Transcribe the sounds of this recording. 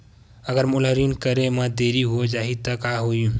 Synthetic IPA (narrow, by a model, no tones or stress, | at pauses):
əɡəɾmulɦəɾinkəɾemə̃d̪eɾiɦod͡ʒaːɦit̪əkaɦojũ